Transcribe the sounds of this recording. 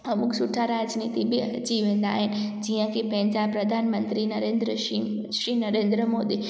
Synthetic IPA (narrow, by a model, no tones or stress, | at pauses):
ɐmʊksuʈʰːaɾad͡ʒnit̪ibʱi | d͡ʒiʋẽːnd̪a̰ːɦɪn | d͡ʒijãkepɛ̃ɦɪ̃nd͡ʒapɾɐd̪ʱaːnmə̃nt̪ɾinɐɾẽnd̪ɾə | i | ʃɾinɐɾẽnd̪ɾəmoːd̪i